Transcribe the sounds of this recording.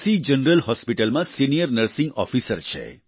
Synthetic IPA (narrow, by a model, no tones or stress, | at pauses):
sid͡ʒənɾəlhɔspiʈɐlmasinijəɾnəɾsiŋɡɔ̰fʰisɐɾt͡ʃʰɛ̰